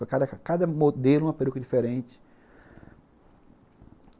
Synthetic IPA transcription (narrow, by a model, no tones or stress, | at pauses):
ɐkad̪ɐkad̪ɐmod̪elʊũm̃ɐpeɾukɐd͡ʒifeɾẽt͡ʃɪ̥